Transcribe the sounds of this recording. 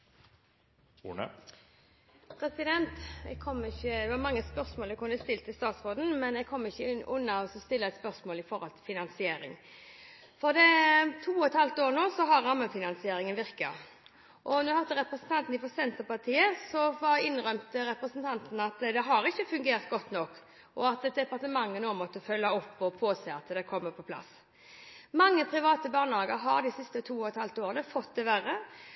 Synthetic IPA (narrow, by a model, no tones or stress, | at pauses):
ṵːnə̰ | pʰɾɛsɪd̪ɛnt̪ɛ̰ɡkʰɔmːɪçːəd̪ɛʋɑɾmɑŋːəspœɾsmoːlɛkʰʊnəst̪ɪlt̪əst̪ɑːt̪sʁoːd̪n̩mɛnɛɡ̚kʰɔmːɪçːəʔʉnːɑɔsɔst̪ɪlːəæɪt̪spœʁsmoːlɪfɔɾhɔlt̪ʰɪlfɪnɑnsɪeːɾɪ̰ŋ | fɔɾd̪ɛt̪ʰuːɔt̪hɑlt̪oːɾnoːsɔɦɑɾːɑmːəfɪnɑnsɪeːɾɪŋənʋɪʁkɑ̰ | ʔɔnɔɪhɑd̪əɾɛpʁɛsn̩t̪ʰɑnt̪n̩ɪfɔsɛnt̪əʁpɑʁt̪ʰiːəsɔfɑɪnʁœʏmt̪əɾɛpɾəsn̩t̪ʰɑnt̪n̩ɑt̪d̪ɛɦɑɾɪçːəfʉŋɡeːɾt̪̚ɡɔt̪ːnɔkː | ɔɑt̪ɛt̪̚d̪ɛpɑʁt̪əmɑŋːənoːmɔt̪ːəfœlːɑɔpːɔpʰoːseːɑt̪d̪ɛkʰɔmːəpʰɔpʰlɑ̰s | mɑŋːəpʰʁɪʋɑːt̪əbɑːʁnhɑːɡəɾɦɑ̰ʁd̪ɪsɪst̪ət̪ʰuːɔɛt̪hɑlt̪oːʁənəfɔt̪̚d̪ɛʋæʁə